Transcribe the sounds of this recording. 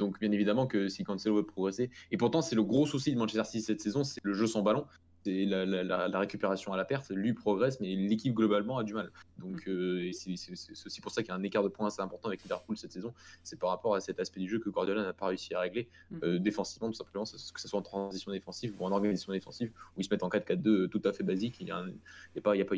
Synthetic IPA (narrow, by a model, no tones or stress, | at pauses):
d̪ɔ̃kbjɛ̃nevid̪amɑ̃kəsikɑ̃nselovəpχɔɡʁeseːpuʁt̪ɑ̃sɛləɡʁosusid̪ymɑ̃nt͡ʃɛsɛʁsisːɛt̪sezɔ̃sɛləʒøsɑ̃balɔ̃ | sɛlalalalaʁekʲypeʁasjɔ̃alapɛʁt̪lɥipχɔɡʁɛsmɛlekʲip̚ɡlɔbalmɑ̃ad̪ymald̪ɔ̃kʰøesɛsɛsɛsɛ̥osi̥puʁsakljaɛ̃nekaʁd̪əpwɛ̃aseɛ̃pɔʁt̪ɑ̃avɛklivɛʁpulsɛt̪sezɔ̃sɛpaʁːapɔʁasɛt̪aspɛd̪yʒøkəɡɔʁd̪ɔlanapaʁeysiaʁeɡle | ød̪efɑ̃si̥vmɑ̃t̪u̥sɛ̃pləmɑ̃skə̥saswaɑ̃t̪χɑ̃zisjɔ̃d̪efɑ̃sivuɑ̃nɔʁɡanizasjɔ̃d̪efɑ̃sivuilsəmɛt̪ɑ̃kad̪kat̪̚d̪øt̪ut̪afɛbazikiljã̰iljapailjapa